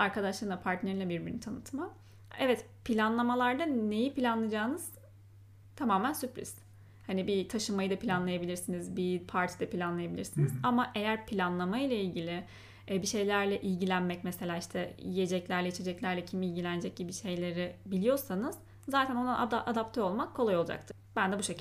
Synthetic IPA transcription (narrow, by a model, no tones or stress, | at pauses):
aɾkʰad̪aʃlˠɯɾɯnapʰaɾt̪nʲeinlʲɛbiɾbiɾnt̪ʰanɯt̪ma | ɛvɛt̪ | pʰilʲanlˠamalˠaɾd̪ane̞jipʰilʲanlˠad͡ʒaːnɯz̥ | t̪ʰamaːmænsypɾḭz̥ | hanibit̪ʰaʃɯmajɯd̪apʰilʲanlˠajabilʲiɾsinizbipʰaɾt̪ʰi̥d̪ɛpʰilʲanlˠajabilʲiɾsinizamaʔe̞jæɾpʰilʲanlˠamajlˠailʲɟilʲɪ | ɛbiʃe̞jlʲæɾlʲɛʔilʲɟilʲænmɛcmeselʲaːiʃt̪ʰɛjije̞d͡ʒɛclʲæɾlʲɛit͡ʃʰe̞d͡ʒɛclʲæɾlʲɛcʰimilʲɟilʲæned͡ʒɛc̚ɟibiʃe̞jlʲe̞ɾɪbilʲijo̞ɾsanɯz̥ | zːaːt̪ʰænond̪anaʔad̪apt̪ʰøo̞lˠmakʰːolˠajo̞lˠad͡ʒa̰kt̪ʰɯ̥ | b̥ænd̪ɛbuʃe̞cʰi